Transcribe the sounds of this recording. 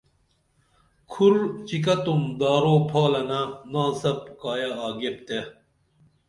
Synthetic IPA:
kʰuɾt͡ɕik̬ɐt̪umd̪aːɾoːpʰaːlɐnɐnãːsɐp̚kaːjaaːɡep̚t̪e

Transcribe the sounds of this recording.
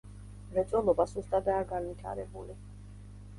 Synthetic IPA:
mɾɛt̪sʼwɛlˠɔbasust̪ʼad̪aːɡanvit̪ʰa̰ɾɛbuli

